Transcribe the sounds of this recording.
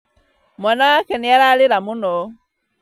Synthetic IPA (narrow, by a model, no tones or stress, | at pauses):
mwanawakɛniaɾalɪɾamunɔ